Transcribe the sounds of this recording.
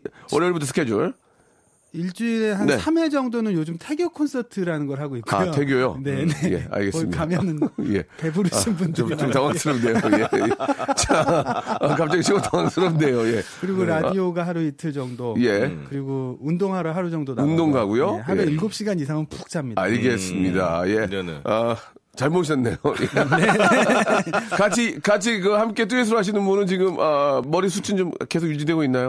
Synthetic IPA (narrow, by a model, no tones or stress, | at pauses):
ʌɾeɭbutʰʌsʰɯ̥kʰed͡ʑuɭ | iɭt͡ɕ͈uiɾeɦane̞sʰame̞d͡ʑʌŋdonɯnjod͡ʑɯmtʰe̞ɡjokʰonsʰʌtʰɯɾanɯnɡʌɾɦaɡoikk͈ːua̰otʰe̞ɡjojonenejḛa̰ɭɡe̞ssmkamjʌnɯnje̞̰pe̞buɾɯɕinbundɯomtaŋaksʰɯɾʌp̚ne̞joet͡ɕaakap̚t͡ɕ͈ʌɡiɕʰiɡotaŋwaŋsʰɯɾʌp̚ne̞joje̞ | kɯɾiɡoɾadioɡaɦaɾuitʰɯɭd͡ʑʌŋdoje̞kɯɾiɡoundoŋɦaɾuɦaɾud͡ʑʌŋdonundoŋɡaɡujoɦaɾuilɡop̚ɕ͈iɡaɲisʰaŋɯnpu̥k̚t͡ɕʰamɲia̰ɭɡe̞s͈ɯmɲida̰je̞nʌ | t͡ɕaɭmoɕ̬ʰʌnːe̞joje | kat͡ɕʰikat͡ɕʰikɯhamk͈e̞t̬͈ues̬ʰʌɾoɦaɕ̬ʰinɯnbunɯnt͡ɕiɡɯmʔʌːʌɾisʰut͡ɕʰint͡ɕomke̞sʰoɡjud͡ʑidwe̞ɡoinːajo